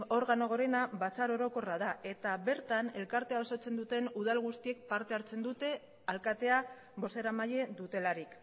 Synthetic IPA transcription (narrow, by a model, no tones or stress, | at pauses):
o̞ɾɣano̞ɣ̞o̞ɾe̞naβat͡saɾo̞ɾo̞ko̞rað̞ae̞t̪aβe̞ɾt̪ane̞lkaɾt̪e̞aosot͡se̞nd̪ut̪e̞nuð̞alɣust̪ie̞k̚paɾt̪e̞aɾt͡se̞nd̪ut̪e̞ | alkat̪e̞a | βo̞se̞ɾamaje̞ðut̪e̞laɾik